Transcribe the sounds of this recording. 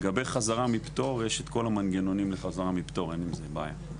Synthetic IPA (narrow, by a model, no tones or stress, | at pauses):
ɡabe̞jχazaʁamipt̪o̞ʁjeʃet̪ko̞lamanɡeno̞nimleχazaʁamipt̪o̞ʁenimzebaːja̰